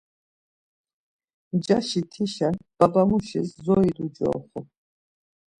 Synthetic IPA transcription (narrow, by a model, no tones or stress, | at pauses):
d͡ʒaʃit̪ʰiʃab̥abamuʃiszɔid̪ud͡ʒɔ̰ːχɔ